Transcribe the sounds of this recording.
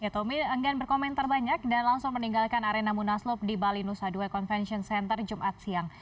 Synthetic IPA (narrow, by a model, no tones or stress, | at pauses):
jat̪omiəŋɡanbərkomɛnt̪arbaɲak̚danlaŋsʊŋməniŋɡalkanaɾenamunaslʊp̚dibalinusaduakɔnfɛnsiɔnsɛnt̪ərd͡ʒumʔat̪̚siaŋ